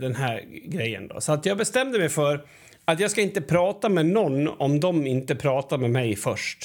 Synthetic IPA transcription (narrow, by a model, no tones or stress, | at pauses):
d̪ɛnɦæɾɡɾɛjːə̰nd̪ɔ̰sɔat̪jɑːɡbɛst̪ɛmd̪əmɛjfœɾ | at̪jɑːɡskaɪnt̪əpʰɾɑːt̪amɛnɔnːɔ̰md̪ɔmɪnt̪əpʰɾɑːt̪aɾmɛmɛjfœʂʈ